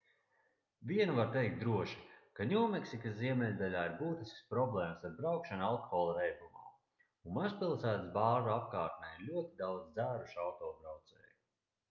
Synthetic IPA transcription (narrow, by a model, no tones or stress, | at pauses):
vʲiɛnuvaɾt̪ejk̚t̪̚d̪ɾuɔʃi̥kaɲʲuːmeksikasziɛmɛlʲd̪alʲaːiɾbuːt̪iskspɾɔblˠɛːmsaɾbɾawkʃanalˠkoxɔːlˠuɾɛjbˠuma̰ː | unmazpilˠsæːt̪sbaːʒuapkaːɾt̪̚nɛjiɾlʲuɔt̪id̪awd̪zd̪zæːɾuʃawt̪ɔːbɾawt̪sɛ̰ːju